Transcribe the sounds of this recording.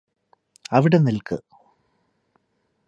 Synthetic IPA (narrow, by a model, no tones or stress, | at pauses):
ɐʋiɽe̞nilkɨ